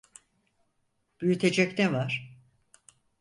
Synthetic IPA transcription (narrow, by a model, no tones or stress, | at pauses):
b̥yjyt̪ʰe̞d͡ʒɛct̪ɛvaɾ̥